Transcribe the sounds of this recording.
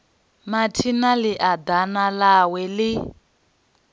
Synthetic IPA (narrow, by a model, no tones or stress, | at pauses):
matʰinalɪʔad̪analawɛlɪ